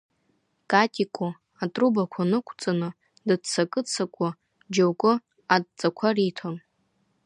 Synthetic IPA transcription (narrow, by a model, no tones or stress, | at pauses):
kʼatʼikʼo | atʼrubakʷʰanɨkʷʰʼt͡sʼanɨ | dɨt͡sʰakʼɨt͡sʰakʷʼʊ | d͡ʒowkʷʼʊ | ad̚t͡sʼakʷʰaritʰon